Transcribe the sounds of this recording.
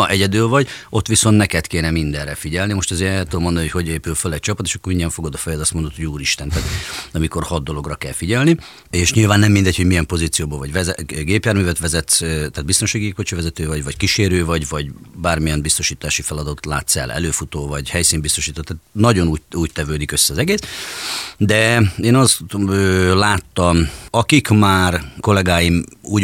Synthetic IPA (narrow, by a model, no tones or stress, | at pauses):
ɒʔɛɟɛd̪ylvɒɟo̞t̪ːʋiso̞nt̪nɛkɛt̪keːnɛmind̪ɛrɛfiɟɛlnimo̞ʃt̪ɒzeːɾɛlt̪ud̪omo̞nd̪onihocho̞ɟeːpylfølɛɟ̚t͡ʃɒpɒt̪eːʃɒkːomiɲːɛɱfo̞ɡɒd̪oːfɛjod̪ɒst̪mond̪ot̪houːɾiʃt̪ɛnt̪ɛaːt̪ɒmiko̞rhɒd̪d̪ːo̞lo̞ɡrɒkɛlfiɟɛlni | eːʃɲilvaːnːɛmːind̪ɛɟ̚ho̞ɟmijɛmpo̞ziːt̪sijoːboːlvɒɟvɛzɛɡeːpjaːɾmyːvɛt̪ʋɛzɛt̪st̪aːd̪bist̪o̞nʃaːɡiekot͡ʃivɛzɛt̪øːvɒɟvɒckiʃeːɾøːvɒɟvɒɟbaːrmijɛnbist̪o̞ʃiːt̪aːʃifɛlɒd̪ɒt̪la̰ːt̪sɛ̰lʔɛ̰løːfut̪oːvɒɟhɛjsiːmbist̪o̞ʃiːt̪oːt̪aːt̪nɒɟo̞nuːuːct̪ɛvøːd̪ikøsːɛɒzɛɡeːs | d̪ɛeːnɒst̪øːlaːt̪ːɒmɒkikmaːrko̞lɛɡaːjimuːɟ